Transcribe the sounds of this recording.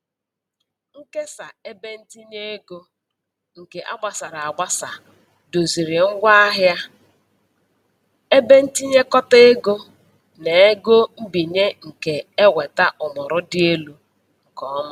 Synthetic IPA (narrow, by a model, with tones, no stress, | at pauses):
ŋ̩˦ke˦sa˨e˦be˦n̩˦ti˦ɲe˦e˦ɡo˦ | ŋ̩˨ke˨ʔa̰˦ɡ͡ba˨sa˨ɾa˨a˨ɡ͡ba˦sa˨ | do˨zi˨ɾɪ˨ŋ̩˦ɡʷa˦a˦ɦja˦ | e˦be˦n̩˦ti˦ɲe˦kɔ˦te˦ɡo˦ | ne˨e˦ɡo˦m̩˦bi˨ɲe˦ŋ̩˨ke˨e˦wʷe˨ta˦ʔʊ˨mʊ˨ɾʊ˦dɪ˦e˦lu˦ | ŋ̩˨kɔ˦mʊ˦